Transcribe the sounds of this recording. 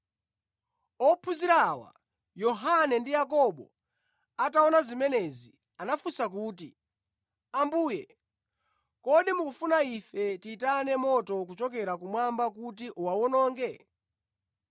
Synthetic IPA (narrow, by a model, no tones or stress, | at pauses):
ɔpʰuziɾawa̰ | jɔɦanɛndijakɔɓɔ | ataɔnazimɛnɛzi | anafusak̬uːti | ambuːjɛ | kɔɗimukufunaifɛtiːtanɛmɔtɔk̬ut͡ʃɔk̬ɛɾakumwambakutiʔuwawɔnɔːŋɡɛ